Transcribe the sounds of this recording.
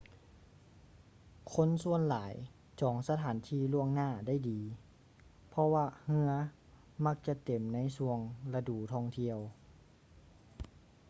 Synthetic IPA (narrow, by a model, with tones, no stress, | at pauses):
kʰo˧˥˨nsu˧ənlaː˨˩˦j | t͡ɕɔː˨˩˦ŋsa˧t̪ʰaː˩˦nt̪ʰiː˧˩˨lu˧˩əŋnaː˧˥˩da˥˨jdiː˨˦ | pʰɔ˧waː˧hɯ˧ɐ | ma˧˥k̚t͡ɕa˧˦t̪e˨˩mna˧˥˨jsu˧əŋla˧duː˨˩t̪ʰɔː˧˩ŋt̪ʰi˧əw